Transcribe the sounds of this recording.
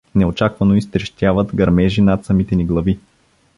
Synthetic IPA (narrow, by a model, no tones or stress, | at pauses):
nɛot͡ʃakvɐnoist̪ɾɛʃt̪ʲjavət̪ɡɐɾmɛʒinat̪sɐmit̪ɛniɡlˠɐvi